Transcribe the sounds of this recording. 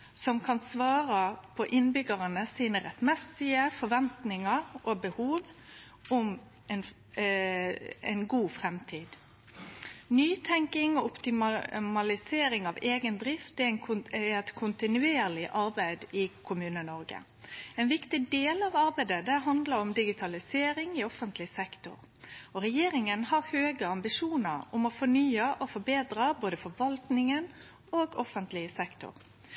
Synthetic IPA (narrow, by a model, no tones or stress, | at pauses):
sɔmkʰɑnsʋɑːɾəpʰɔʔɪnbʏɡəɾənəsiːnəɾɛt̪mɛsɪəfɔɾʋɛnt̪nɪŋəɾʔɔbəhuːʋ | ɔm | ɛn | ɛ̰nɡuːfɾɛmt̪ʰiːd̪ | nyːt̪ʰɛŋkɪŋɔʊpt̪ɪmmɑlɪseːɾɪŋɑʋeːɡənd̪ɾɪft̪ɛnʰɛt̪kʰʊnt̪ɪnʉeːɾlɪʔɑɾbæɪd̪ɪkʰʊmʉːnənɔɾɡə̰ | ɛːnʋɪkt̪ɪd̪eːlɑʋɑɾbæɪd̪əd̪ɛɦɑnd̪ləɾɔmd̪ɪɡɪt̪ʰɑlɪseːɾɪŋɪɔfənt̪lɪsɛkt̪ʊ̰ɾ | ɔɾɛjeːɾɪŋənhɑɾhøːɡəɑmbɪʂuːnəɾʊmɔfɔnyːəʔɔfɔbeːd̪ɾɑboːd̪əfɔɾʋɑlt̪nɪŋən | oːɡɔfənt̪lɪəsɛkt̪ʊ̰ɾ